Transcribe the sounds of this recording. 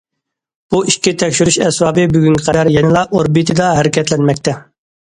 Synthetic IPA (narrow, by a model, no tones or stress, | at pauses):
b̥uʔiʃʲit̪ʰɛkʲʃyɾyʃɛswɑːbɨbyɡʲyŋkʲʰɪqʰɛd̪æɾjɛnɨlˠɑʔoɾbit̪ʰɨd̪ɑɦɛɾɪkʲɛt̪lɛnmɛkʲt̪ʰɛ